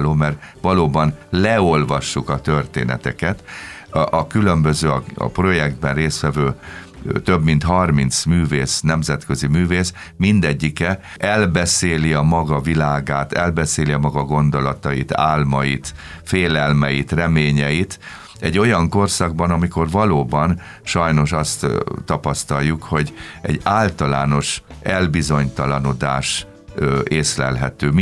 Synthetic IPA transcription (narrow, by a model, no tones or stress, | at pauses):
loːmɛrvɒloːbɒnlɛo̞lvɒʃːukɒt̪ørt̪ḛːnɛ̰t̪ɛkɛt̪ | ɒkylø̞mbøzøːɒɒ̰pro̞jɛɡd̪bɛnreːst̪ʋɛvøː | t̪øbmin̪t̪hɒrmint̪smyːveːsnɛmzɛt̪køzimyːveːsmind̪ɛɟːikɛ | ɛlbɛseːliɒmɒɡɒvilaːɡaːt̪ɛlbɛseːliɒmɒɡɒɡo̞nd̪o̞lɒt̪ɒjḭt̪a̰ːlmɒjit̪ | feːlɛlmɛjit̪rɛmeːɲɛjit̪ | ɛɟːo̞jɒŋko̞rsɒɡ̚bɒnɒmiko̞rvɒloːbɒn | ʃɒjno̞ʃɒst̪ːɒpɒst̪ɒljːukho̞ɟɛ̰ɟaːlt̪ɒlaːno̞ʃɛlbizo̞ɲt̪ɒlɒno̞d̪aːʃ | eːslɛ̰lɦɛt̪øːm